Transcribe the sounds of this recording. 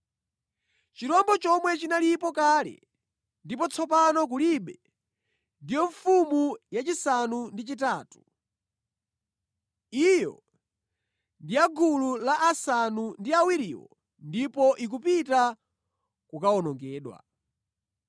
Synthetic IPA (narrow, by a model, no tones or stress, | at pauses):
t͡ʃiɾɔmbɔt͡ʃɔmwɛt͡ʃinalipɔkaːlɛ̰ | ndipɔt͡sʰɔpanɔk̬uliɓɛ | ndijɔɱfumujat͡ʃisanundit͡ʃitaːtu̥ | ijɔ̰ | ndiaɡʱululaʔasanundiawiɾiːwɔ̰ | ndipɔʔik̬upita | kukaɔnɔŋɡɛːɗwa̰